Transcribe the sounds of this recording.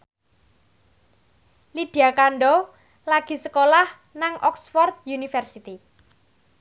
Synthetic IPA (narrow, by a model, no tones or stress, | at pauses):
liɖ̪̥i̤akaɳɖɔ | laɡ̥i̤səkolah | naŋʔɔksfɔrt̪̚junifɛrsit̪i